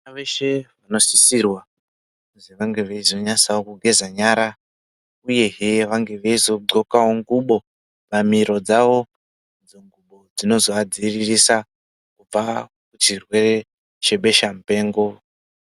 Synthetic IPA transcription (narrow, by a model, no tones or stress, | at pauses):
aʋeʃe̞ʋano̞sisirwa | oziʋaŋɡe̞ʋeizo̞ɲasaokuɡʱe̞zaɲaːɾa | uje̞ɦeʋaŋɡe̞ʋeizo̞ǃo̞kawoŋɡuɓo̞ | pamiɾo̞d͡zaʋo̞ | d͡zoŋɡuɓo̞d͡zino̞zo̞ad͡ziririsa | kub͡va | kut͡ʃirwe̞re̞ | t͡ʃe̞ɓe̞ʃam̩pe̞ːŋɡo̞